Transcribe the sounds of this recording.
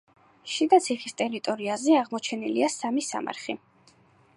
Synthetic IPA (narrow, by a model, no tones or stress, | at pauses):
ʃid̪at̪sʰiχist̪ʼɛɾit̪ʼɔɾiazɛaʁmɔt͡ʃʰɛnilḭasamisa̰ma̰ɾχi